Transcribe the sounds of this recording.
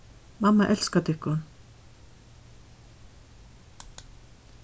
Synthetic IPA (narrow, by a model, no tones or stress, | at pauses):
mɑmɑʔɛlskat̪ɪkʊn